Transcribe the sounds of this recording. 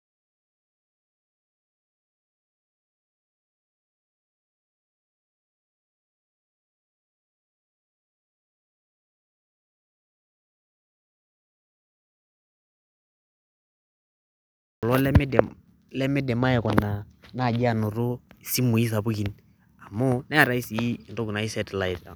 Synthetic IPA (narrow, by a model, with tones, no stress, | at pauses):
ɔ˨lɔ˦lɛ˦m˦d | lɛ˦mɪ˦dɛ˨ma˦ɛ˨kɔ˨na˨na˦˨d͡ʒa˦˨nʊ˨ɾʊ˦˨si˦mu˨i˦s̬a˨bu˦ki˨n | a˨mʊ˦nɛ˦a˨ɾa˦i˦si˨i˦˨ndʊ˦kna˨i˦sɛ˦tla˦˨ɪ˨ta˨